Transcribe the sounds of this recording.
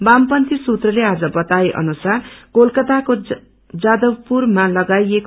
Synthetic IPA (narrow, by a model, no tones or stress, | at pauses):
bampʌnt̪isut̪rʌlead͡zʌbʌt̪ajʔʌ̰nusarkolkʌt̪ako | d͡zad̪ʌwpurmalʌɡajek